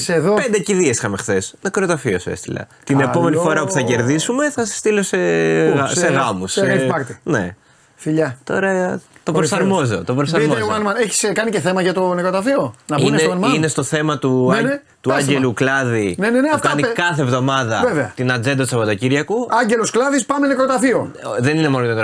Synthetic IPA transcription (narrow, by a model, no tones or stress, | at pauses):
seðopend̪eciðiesi̥xɐme̞xθe̞snɐkɾo̞t̪ɐfio̞sḛst̪ilɐ̰t̪ine̞po̞menifo̞ɾɐopu̥θɐce̞ɾðisume̞θɐsɐ̥st̪ilo̞seɣɐseɣɐmusɐpɐɾt̪inḛ | fiʎɐt̪o̞̰ɾɐt̪opɾosɐɾmozot̪o̞pɾos̬ɐɾmozɐnmɐneçi̥skɐniceθemɐʝɐt̪onekɾot̪ɐfionɐunminest̪o̞θe̞mɐt̪une | t̪uɐɲɟeluklɐðinenenefkɐnikɐθevðomɐðɐveveɐt̪inɐd͡ze̞nd̪ɐt̪usɐpo̞t̪ociɾʝɐkuɐɲɟelosklɐðispɐmenekɾot̪ɐθioðe̞nine̞molot̪ot̪o